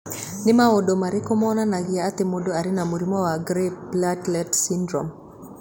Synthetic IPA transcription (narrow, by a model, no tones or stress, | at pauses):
nɪmaodomaɾɪkɔmɔnanaɡɪaːt̪emodoaɾɪnamuɾimɔwaɡɾeplatlɛtsindɾɔ̰m